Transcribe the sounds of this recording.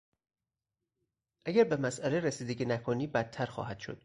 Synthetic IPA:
ʔæɟæɾbe̞mæsʔæleɾesiːd̪e̞ɟiːnækʰoniːbæt̪ʰːæɾxɒ̰ːɦæd̪̥ʃo̰d̪̥

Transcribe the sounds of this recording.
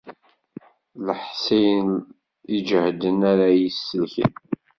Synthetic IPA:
ləħsijn | id͡ʒhd̪ənæɾajisːəlçə̰n

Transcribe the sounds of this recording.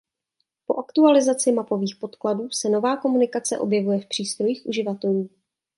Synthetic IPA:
po̞ʔakt̪ualɪzat͡sɪmapo̞viːxpo̞t̪kladuːsɛno̞vaːko̞munɪkat͡sɛʔo̞̰bjɛvujɛfpr̥iːst̪ɾo̞jiːxʔuʒɪvat̪ɛluː

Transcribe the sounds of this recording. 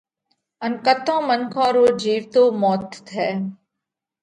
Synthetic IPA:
ənkət̪õːmənkʰãːɾoːd͡ʒiːʋt̪oːmɔːt̪t̪ʰɛː

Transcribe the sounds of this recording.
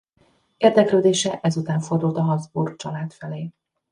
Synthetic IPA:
eːrd̪ɛkløːd̪eːʃɛʔɛzut̪aːɱfo̞rd̪ult̪ɒɦɒzbuːrkt͡ʃɒlaːt̪fɛleː

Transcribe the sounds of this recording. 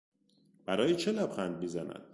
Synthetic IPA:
b̥æɾɒːjet͡ʃʰelæbxænd̪̚mizænæ̰n̥

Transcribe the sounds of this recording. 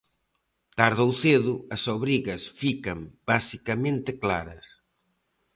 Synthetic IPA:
t̪aɾðowθeðuɐsoβɾiɣɐsfikɐmb̥asikɐmẽnt̪eklaɾɐs

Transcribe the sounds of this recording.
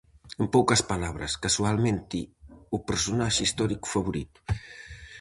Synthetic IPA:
empɔwkəspalaβɾə̰skasualˠment̪iupəɾsunaʒist̪ɔɾikfaβuɾit̪

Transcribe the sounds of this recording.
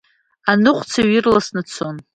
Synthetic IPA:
anɨχʷʰʼt͡sʰaɥirlasnɨt͡sʰon

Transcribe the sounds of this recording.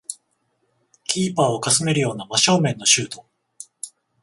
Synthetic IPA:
kʲiːpaːo̞kasɨme̞ɾɯjo̞ːnamaɕo̞ːmẽ̞nːo̞ɕɨːt̪o̞̥

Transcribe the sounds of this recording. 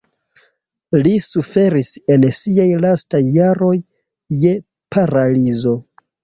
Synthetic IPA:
lisufe̞ɾise̞nsiajlastajːaɾo̞jː | e̞ | pʰaɾalizo̞

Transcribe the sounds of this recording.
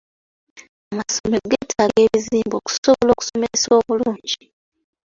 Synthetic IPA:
amasomeɡetʰaleːβiziːmbo̞ːku̥soβolo̞ːku̥someesoːβuluːɲɟi

